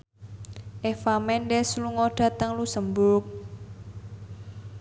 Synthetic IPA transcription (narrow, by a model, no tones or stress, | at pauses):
ʔefamɛndɛsluŋɔɖ̥ä̤t̪əŋlusəmbuk̚